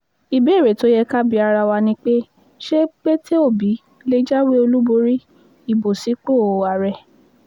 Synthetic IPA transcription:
i˨be˨˦˨ɾe˨to˨˦jɛ˧ka˦bi˧˦a˧ɾa˧wa˧nĩ˦k͡pe˦ | ʃe˦k͡pe˦tʰe˦o˦˨bi˨˦ | le˦d͡ʒa˦we˦o˧lu˦bo˧ɾi˦ | i˦˨bo˨si˨˦k͡po˦˨a˨ɾɛ˨

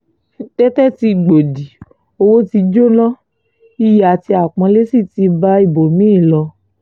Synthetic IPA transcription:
tɛ˦tɛ˦ti˧ɡ͡bo˨di˨ | o˧wo˦ti˧d͡ʒo˦lɔ̃˦ | i˦ja˨ti˧a˨k͡pɔ̃˧˦le˦si˦˨ti˧ba˦i˦˨bo˨mĩ˦˨lɔ˧

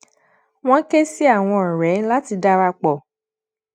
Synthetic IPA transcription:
w̃ɔ̃˦ke˦si˦a˦˨w̃ɔ̃˧ɔ˨ɾɛ˨˦la˦ti˧da˦ɾa˧k͡pɔ˨

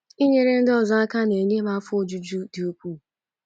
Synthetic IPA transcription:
i˦ɲe˦ɾe˦n̩˦dɔ˦˨za˦a˦ka˦ne˨ɲe˦ma˦fʊ˦o˨d͡ʒu˦d͡ʒu˦dɪ˨o˦kʷu˦˨

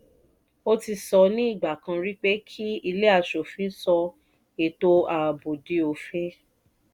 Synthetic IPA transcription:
o˦ti˧sɔ˧nĩ˦i˦˨ɡ͡ba˨kã˧ɾi˦k͡pe˦kʰi˦i˧le˦a˦˨ʃo˨fĩ˨˦sɔ˧ | e˨to˧a˨bo˨di˨˦o˧fẽ˦

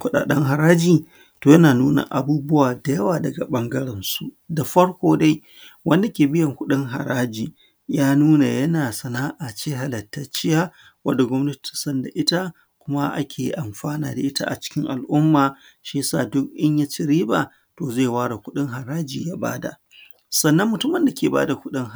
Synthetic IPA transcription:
kʷʊ˦ɗa̰ː˨ɗɐ˦ŋɦa˨ɾaː˦d͡ʒiː˨ | toː˨jɐ˦naː˨nuː˦na̰˨ʔa˨buː˦bʊ˦waː˨da˨jɐ˦waː˨dɐ˨ɡa˨ɓɐ˦ŋɡɐ˦ɽɛ˨nsu˦ | da˨ɸɐ˦ɽkʷoː˦da˦j | wɐ˦nda˨kʲeː˨bɪ˦jɐ˨ŋkʷʊ˦ɗɪ˦ŋɦa̰˨ɽaː˦d͡ʒiː˨ | jaː˦nuː˦na˨jɐ˦naː˨sɐ˨naː˦ʔa˨t͡ʃeː˦ɦa˨lɐ˨tːɐ˦t͡ʃɪ˦jaː˦ | wɐ˦da˨ɡʷɔ˦mnɐ˦tti̥˨sɐ˦nda̰˨ʔɪ˦ta˦ | kʷʊ˦ma˦ʔa̰˦kʲʰeː˨ʔa˨mɸaː˦na̰ː˨da˨ʔɪ˦ta̰˦ʔa̰˨t͡ʃɪ̥˦kʲɪ˦ŋʔa̰˨lʔʊ˦mːaː˨ | ʃi˦sa̰ː˦˨dʊ˦kʔɪ˦ɲja˦t͡ʃɪ˦ɾiː˦ba̰˨ | toː˨zeː˦˨waː˦ɽa˨kʷʊ˦ɗɪ˦ŋɦa˨ɾaː˦d͡ʒiː˨jaː˦ba̰ː˦da̰˨ | sɐ˨nːɐ˦mːʊ˨tʊ˦mɐ˨nda˨kʲʰeː˨ba̰ː˦da˨kʷʊ˦ɗɪ˦ŋ˨

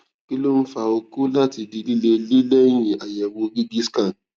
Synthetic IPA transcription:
ki˦lo˦n̩˦fa˨o˧ku˦la˦ti˧di˧li˦le˧li˦le˦j̃ĩ˨a˨jɛ˨wo˧ɡi˦ɡi˦ska˦˨n

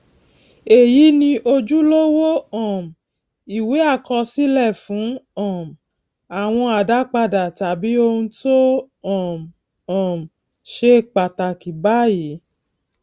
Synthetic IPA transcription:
e˨ji˨˦nĩ˧ʔo˧d͡ʒu˦lo˦wo˦ɔ̃˦˨m̩˨ | i˨we˨˦a˦˨kɔ˧si˦lɛ˦˨fũ˨˦ɔ̃˦˨m˨ | a˨w̃ɔ̃˧a˨da˨˦k͡pa˧da˨ta˨bi˨˦o˧nũ˧to˦ | ɔ̃˨m˨ | ɔ̃˨m̩˨ | ʃe˦˨k͡pa˨ta˨ki˨ba˦ji˨˦

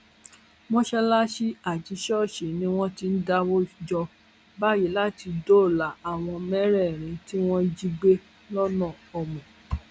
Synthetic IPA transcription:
mɔ̃˦ʃɛ˧la˦ʃi˦a˨d͡ʒi˨˦ʃɔ˦˨ʃe˨nĩ˦w̃ɔ̃˦ti˧n̩˦da˧wo˦d͡ʒɔ˧ | ba˦˨ji˨˦la˦ti˧do˦˨la˨a˨w̃ɔ̃˧mɛ˦ɾɛ˦˨ɾ̃ĩ˧ti˦w̃ɔ̃˦d͡ʒi˧ɡ͡be˦ | lɔ˦nɔ̃˦˨ɔ˨mĩ˨

